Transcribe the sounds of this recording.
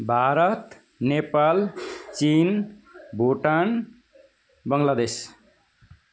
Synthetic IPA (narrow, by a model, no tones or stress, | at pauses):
bʱaɾʌt̪ | nepalt͡ʃinbʱoʈan | bʌŋlad̪es